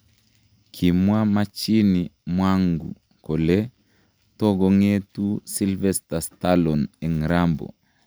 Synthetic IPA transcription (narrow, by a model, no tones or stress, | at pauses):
kʰimwamat͡ʃinimwaŋɡṵ | kɔle | tɔɡɔŋetusilvɛstastalɔnɛŋɾambɔ̰